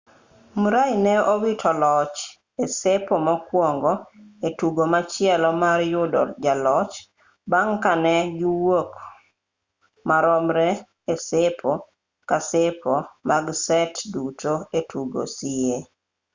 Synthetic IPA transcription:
muɾainɛowitʰɔlɔt͡ʃ | esepɔmɔkwɔŋɡɔetuɡomat͡ʃɪɛlɔmaɾjʊdɔ̰rd͡ʒalɔt͡ʃ | baŋkanɛɡiwok | maɾɔmɾɛ | esepʰɔ | kasepʰomaɡsɛtdutoetuɡo̰sije

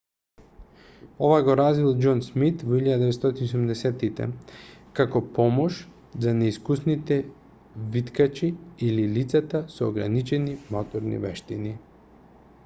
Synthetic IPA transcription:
ovajɡoɾazvilˠd͡ʒɔnsmit̪voiʎad̪d̪ɛvɛt̪st̪ot̪iniosumd̪ɛsɛt̪it̪ɛ̰kakopɔmɔʃ | zanɛiskusnit̪ɛ | vit̪kat͡ʃiililit̪sat̪asoːɡɾa̰nit͡ʃɛnimot̪ɔɾnḭvɛʃt̪ini

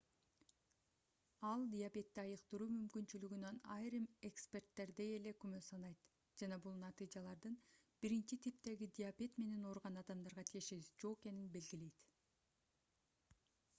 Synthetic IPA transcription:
ɑlˠd̪ʲɪjapʲe̞t̪ːiɑjɯqt̪ɯɾuːmymkynt͡ʃylyɡynønɑjɾɯme̞kspʲe̞rt̪ːe̞ɾd̪e̞je̞le̞kymøsɑnɑjt̪ | d͡ʒɑnɑbulˠnɑt̪ɨjd͡ʒɑlˠɑɾd̪ɯn | b̥iɾint͡ʃit̪ʰip̚t̪e̞ɡid̪ʲɪapʲe̞t̪me̞ne̞no̞ɾʁɑnɑd̪ɑmd̪ɑɾʁɑt̪ʰije̞ʃe̞βizd͡ʒo̞ʁeke̞ninbe̞lɡile̞jt̪

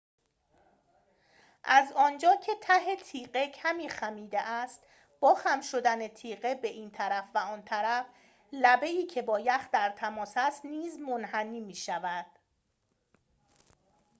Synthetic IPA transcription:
ʔæzɒːnd͡ʒɒːcʰe̞t̪ʰæɦe̞t̪ʰiːɢecʰæmiːxæmiːd̪eʔæst̪ | b̥ɒːxæmʃo̞d̪ænet̪ʰiːɢe̞be̞ʔiːnt̪ʰæɾæfvæɒːnt̪ʰæɾæf | læbe̞iːcʰe̞bɒːjæxd̪æɾt̪ʰæmɒːsæst̪niːzmonhæniːmiːʃævæd̪̥

